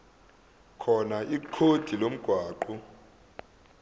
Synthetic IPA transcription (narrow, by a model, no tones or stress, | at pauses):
kʰɔnaʔiǃʰod̥ʱilom̩ɡ̥ʱwaːǃu